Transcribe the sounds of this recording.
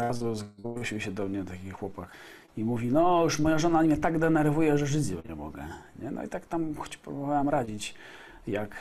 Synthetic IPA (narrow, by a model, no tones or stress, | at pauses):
azuzɔuɕiɕɛd̪ɔmɲɛnat̪akʲixxwɔpax | imuvʲinɔjuʂmɔjaʐɔnamʲɲɛt̪aɡd̪ɛnɛɾvujɛʐɛʐɘd͡ʑɔɲɛ̰mɔ̰ɡɛ̰ɲɛnɔ̰ḭt̪akt̪amxɔt͡ɕpɾubɔvawamɾad͡ʑit͡ɕ | jak